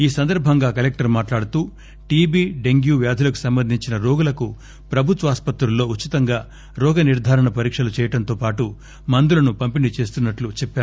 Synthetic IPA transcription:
iːsɐnd̪ɐɾbʱɐŋɡaːkɐlek̚ʈɐɾmaːʈlaːɽut̪uː | ʈiːbiːɖe̞ŋɡjuːʋjaːd̪ʱulɐku̥sɐmbɐnd̪ʱiɲt͡ʃinɐɾɔːɡulɐku | pɾɐbʱut̪ʋɐaːspɐt̪ɾulːo̞ːut͡ʃːit̪ɐŋɡaː | ɾɔːɡɐniɾd̪ʱaːɾɐɳɐpɐɾiːkʂɐlut͡ʃɛːjɐʈɐnt̪o̞ːpaːʈu | mɐnd̪ulɐnupɐmpinit͡ʃe̞ːst̪unːɐʈlut͡ʃɛpːaːɾu

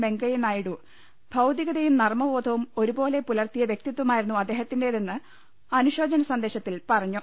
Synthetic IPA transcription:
be̞ŋɡɐjinaːjiɽu | bʱɐwd̪iɣɐðɐjumnɐrmɐʋo̞ːd̪ʰʱɐʋumo̞ɾubo̞ːle̞pulɐrt̪ijɐʋje̞k̚t̪it̪ːumaːjiɾunːuɐd̪ːe̞ːhɐt̪ːindeðenːɨ | ɐnuɕo̞ːd͡ʑɐnɐsɐnd̪e̞ːɕɐt̪ːilpɐrɐɲːu

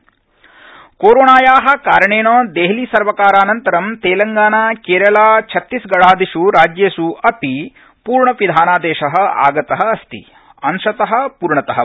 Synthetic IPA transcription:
koːɾoːɳaːjaːɦɐ̆kaːɾɐɳeːnoːd̪eɦliːsɐɾʋɐkaːɾaːnɐnt̪ɐɾɐmt̪eːlɐŋɡaːnaːkeːɾɐlaːt͡ʃʰɐt̪ːisɡɐɭaːd̪iʂuɾaːd͡ʒjeːsuɐpi | puːɾɳɐʋid̪ʱaːnaːd̪ɛːʃɐɦɐ̆a̰ːɡɐt̪ɐɦɐ̆ːst̪ḭ | ɐnʂɐt̪ɐɦɐ̆puːɾɳɐt̪ɐɦɐ

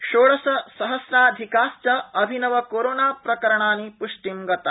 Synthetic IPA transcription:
ʃoːɭɐsɐsɐɦɐsɾaːd̪ʱikaːst͡ʃɐɐbʱinɐʋɐkoːɾoːnaːpɾɐkɐɾɐɳaːnipuʂʈimɡɐt̪ɐ

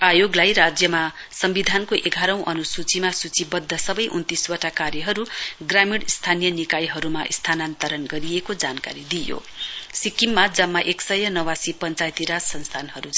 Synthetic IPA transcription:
ajoɡlajrad͡zjʌma | sʌmbid̪ʱankoʔeɡʱaɾʌ̃w̃ʔʌnusut͡simasut͡sibʌd̪ʱːʌsʌbʌjʔunt̪iswʌʈakaɾjʌɦʌɾuɡramiɽst̪ʰanijʌnikajɦʌɾumaʔist̪ʰanant̪ʌɾʌnɡʌɾijekod͡zanka̰ɾid̪ijo̰ | sikimːad͡zʌmːaʔeksʌjʌnʌwasipʌnt͡sajt̪iɾasʌnst̪ʰanɦʌɾu

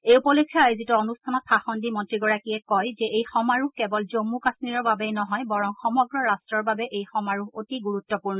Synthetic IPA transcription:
eupɔlekʰːjaajzituonustʰanɔt̚pʰaxɔndimɔntɹiɡɔɹakiɛkɔjzɛʔejxɔmaɹuhkɛbɔlzomːukasniɹɔɹbabɛjnɔɦɔjbɔɹɔŋxɔmɔɡɹɔɹastɹɔɹbabɛʔejxɔmaɹuɦotiɡuɹutːɔpuɹnɔ

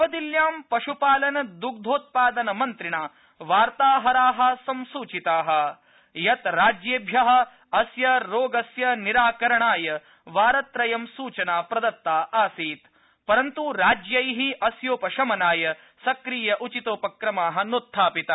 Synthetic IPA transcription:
pɐd̪iljaːmpɐʂupaːlɐnɐd̪uk̚d̪ʱoːt̪̚paːd̪ɐnɐmɐnt̪ɾiɳaː | ʋaːɾt̪aːɦɐɾaːɦɐ̆sɐmsuːt͡ʃit̪aːɦɐ̆ | jɐt̪ɾaːd͡ʒjeːbʱjɐɦɐ̆ | ɐsjɐɾoːɡɐsjɐniɾaːkɐɾɐɳaːjɐ | ʋaːɾɐt̪ɾɐjɐmsuːt͡ʃɐnaːpɾɐd̪ɐt̪ːaːʔaːsiːt̪ | pɐɾɐnt̪uɾaːd͡ʒjɐjɦiʔɐsjoːpɐʃɐmɐnaːjɐ | sɐkɾiːjɐʔut͡ʃit̪oːpɐkɾɐmaːɦɐ̆nut̪ʰːaːpit̪ɐ

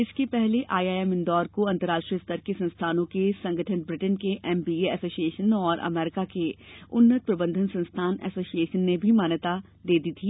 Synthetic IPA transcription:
ɪskepɛɦleʔa̰ːiaːɛmɪ̃nd̪ɔːɾkoɐ̃nt̪əɾaːʂʈɾijəst̪əɾkesɐ̃nst̪ʰaːnõkesɐ̃ŋɡʱəʈʰənbɾɪʈənkeʔɛːmbiːeɛsoːsieːʃənɔːɾʔɐ̰mɛːɾɪkakeʊnːət̪̚pɾɐbə̃nd̪ʱənsɐ̃nst̪ʰaːnɛ̰ːsoːsieːʃənːebʱimaːnət̪a | d̪eːd̪iːt̪ʰiː

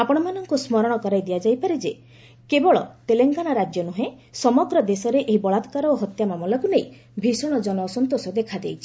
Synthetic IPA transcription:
apɔɽ̃ɔmanɔŋkusmɔɾɔɽ̃ɔkɔɾajd̪iad͡ʒajpaɾed͡ʒe | kebɔɭɔ̰t̪eleŋɡanaɾad͡ʒjɔnuɦẽ | sɔmɔɡɾɔd̪esɔɾeʔeɦibɔɭad̪kaɾɔoɦɔt̪jamamɔlakunej | bʱisɔɽ̃ɔd͡ʒɔnɔːsɔnt̪osɔd̪ekʰad̪ejt͡ʃʰi̥

